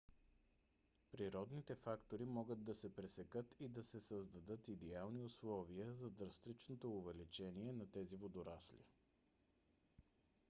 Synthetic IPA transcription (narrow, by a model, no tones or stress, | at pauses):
pɾiɾɔd̪nit̪ɛfakt̪oɾimɔɡəd̪d̪ɐsɛpɾɛsɛkɤt̪ʰid̪ɐsɛsəzd̪ɐd̪ɤt̪id̪ɛalˠniʊslˠɔviəzɐd̪ɾɐst̪ɾit͡ʃnot̪oːvɛlit͡ʃɛniɛnɐt̪ɛzivod̪ʊɾaslḭ